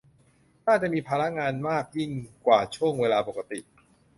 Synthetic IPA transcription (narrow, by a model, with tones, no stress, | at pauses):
naː˥˩t͡ɕa˨˩miː˧pʰaː˧ɾa˦˥ʔŋaː˧nmaː˥˩k̚ji˥˩ŋkwaː˨˩t͡ɕʰu˥˩əŋweː˧laː˧po˨˩ka˦˥t̪i˨˩ʔ